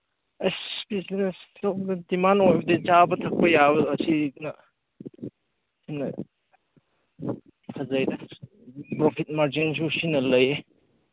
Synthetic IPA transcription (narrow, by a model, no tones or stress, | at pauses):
espisinesloddimanojbɐdet͡ʃabɐtʰɐk̚pɐjabɐɐsinɐ | sʰimnɐ̰ | kʰɐzajdɐ | pɾopʰit̚maɾd͡ʒins̬usinɐlɐje